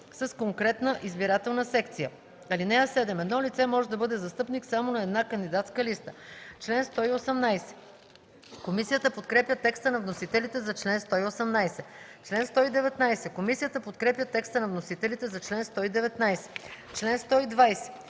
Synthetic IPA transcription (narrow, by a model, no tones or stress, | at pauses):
sɐskoŋkɾɛt̪nəʔizbiɾat̪ɛlˠnəsɛkt̪sijə | ɐlinɛɐsɛd̪ɛmɛd̪nɔlit̪sɛmɔʒɛd̪ɐbɤd̪ɛzɐst̪ɤpniksamonɐɛd̪nakənd̪id̪at̪skəlist̪ət͡ʃlɛnst̪ɔiosɛmnajsɛ̥ | komisijət̪əpot̪kɾɛpjət̪ɛkst̪ənɐvnosit̪ɛlit̪ɛzɐt͡ʃlɛnst̪ɔiosɛmnajsɛt͡ʃlɛnst̪ɔid̪ɛvɛt̪najsɛkomisijət̪əpot̪kɾɛpjət̪ɛkst̪ənɐvnosit̪ɛlit̪ɛzɐt͡ʃlɛnst̪ɔid̪ɛvɛt̪najsɛ̥ | t͡ʃlɛnst̪ɔid̪vajsɛ̥